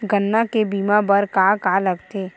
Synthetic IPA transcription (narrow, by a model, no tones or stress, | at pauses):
ɡənːakebiːmabəɾkakaləɡt̪eː